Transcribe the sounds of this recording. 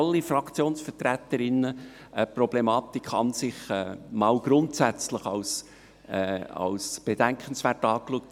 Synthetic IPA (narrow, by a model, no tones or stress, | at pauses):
lːifɾɑkʰt͡sjoːnsfətɾæt̪əɾɪnːə | əprɔblemɑːt̪ikχɑ̰nsɪχɛːmɑːlɡ̥ɾʊntsæt͡sləχɑws | ɑ̰wsb̥ed̥æŋkχənsvæːɹtɑːkluək̚t